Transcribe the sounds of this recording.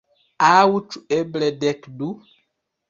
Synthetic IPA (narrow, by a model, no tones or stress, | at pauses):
awut͡ʃueblɛdɛkdu